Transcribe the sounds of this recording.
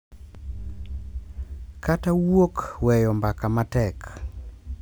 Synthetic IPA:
katawokwɛjɔmbakamatɛk

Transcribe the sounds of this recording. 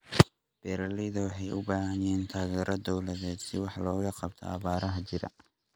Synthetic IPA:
b̥ɛːɾɐlɪjðɐwɑħɑjʊbaːhɐjɛːnt̪ʰaːɣɛːɾʔɐd̪ɔwlɐðɛːd̪sɪwɑħlɔːɣɐqɑb̚t̪ʰɔ̰ɑ̰βaːɾɐɦɐt͡ʃɪɾɐ̰

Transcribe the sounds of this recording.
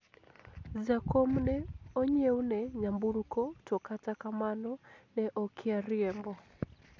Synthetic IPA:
zakɔmnɛɔɲeunɛɲambuɾukɔtɔkatakamanɔnɛʔɔkʰɪaɾiɛmbɔ

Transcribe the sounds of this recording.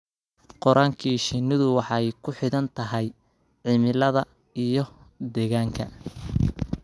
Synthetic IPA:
qɔɾaːŋkʰiːʃɪnɪðʊwɑħɑjkʰʊħɪðɐnt̪ʰɐɦɛj | ʕɪmɪlɐðɐ | ijɞ | d̪ɛːɣaːŋkʰɐ

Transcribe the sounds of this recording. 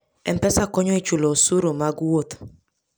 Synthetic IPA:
ɛ̰m̩pɛsakɔɲɔit͡ʃuloosuɾomaɡwot

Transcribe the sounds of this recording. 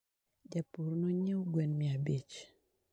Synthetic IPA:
d͡ʒapuɾnɔɲewɡwɛnmiabit͡ʃ

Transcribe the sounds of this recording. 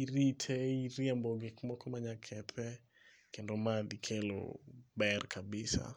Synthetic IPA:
iɾitʰɛiɾjambɔɡɪkmɔkɔmaɲakʰɛt̪ʰɛ | kendomad̪ikʰelo̰bɛrkʰabɪsa̰

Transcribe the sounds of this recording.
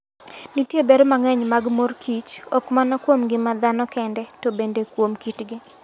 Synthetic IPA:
nitjebeɾomaŋɛɲmaɡmorkʰit͡ʃɔkmanɔkwomɡɪmad̪anɔkɛndɛtobendekwomkitɡɪ

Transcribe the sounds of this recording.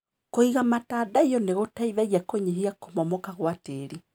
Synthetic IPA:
koiɣamatadaijɔneɣotaiβɛɣiakoɲeɦiakomɔmɔkaɣwateɾi

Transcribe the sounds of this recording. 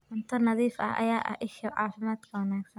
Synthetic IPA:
kʊnt̪ʰɐrnɐðiːfɐ̰hʔɐ̰jaːʔɐ̰ʔɪʃɐʕɑ̰ːfɪmaːd̪kʰɐwɑnaːɡsɐn

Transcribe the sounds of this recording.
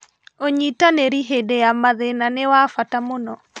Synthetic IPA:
oɲitaneɾiɦedejamaðenanewafatamonɔ

